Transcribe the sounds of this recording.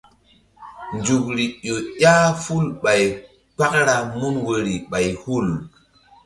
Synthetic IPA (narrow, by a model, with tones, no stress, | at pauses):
nd͡ʒu˨kɾi˨ɗo˨jaː˦fu˦lɓa˨j | k͡pa˦k̚ɾa˨mu˦nwo˨ɾi˨ɓa˨jhu˦˨l